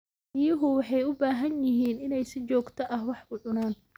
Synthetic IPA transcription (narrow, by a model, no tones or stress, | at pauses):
ɪjʊɦʊwɑħɑjʊbaːɦɐnjɪɦiːnɪnɛjsɪt͡ʃɔːɡt̪ʰɐʔɐhwɑħʊʕʊnaːn